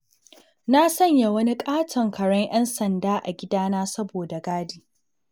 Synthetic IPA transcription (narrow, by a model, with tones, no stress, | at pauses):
na˦sɐ˦˨ɲja˨wɐ˦ni˦kʼaː˦tʰɐ˨ŋkɐ˨ɽɐ˦ŋʔɛ˦nsɐ˨ndaː˦ʔa̰˨ɡʲɪ˦daː˦naː˦sɐ˦boː˨da˨ɡaː˦diː˦